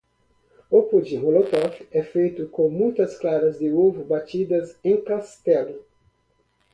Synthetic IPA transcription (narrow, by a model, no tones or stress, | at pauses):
opud͡ʒɪɦolot̪ɔfɛfejt̪ʊkõmũj̃t̪ɐsklaɾɐzd̪ɪuvubat͡ʃ̪id̪ɐzẽkast̪ɛlʊ